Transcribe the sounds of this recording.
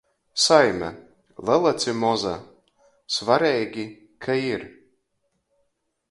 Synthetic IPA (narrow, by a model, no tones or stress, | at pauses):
sajmʲɛ̰ | lˠɛlˠat̪sʲɨmɔza̰ | svaɾɛjɡʲi | kʰaiɾ